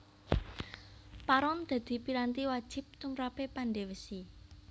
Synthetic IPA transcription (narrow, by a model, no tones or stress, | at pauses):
paɾɔnd̪̥a̤d̪̥i̤piɾant̪iwad̥ʒ̥ɪ̤p̚t̪umɾapepanɖewəsi